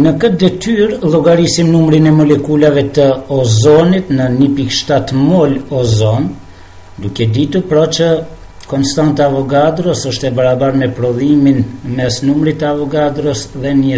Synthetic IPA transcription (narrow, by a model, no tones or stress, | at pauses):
nəkət̪̚d̪ɛt̪yɾlˠɔɡaɾisimnumɾinɛmɔlɛkulavɛt̪əɔzɔnit̪nənipikʃt̪at̪mɔlɔzɔn | d̪ukɛd̪it̪uɾpɾɔt͡ʃə | kɔnst̪ant̪aavɔɡad̪ɾɔsɔʃt̪ɛbaɾabaɾmɛpɾɔðiminmɛsnumɾit̪əavɔɡad̪ɾɔsðɛnə